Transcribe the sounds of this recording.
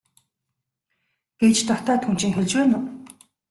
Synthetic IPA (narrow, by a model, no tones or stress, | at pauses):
ɡ̥et͡ɕt̪ɔt̪aːt̪ʰun̥t͡ɕĭŋxeɮʲt͡ɕpæːnʊ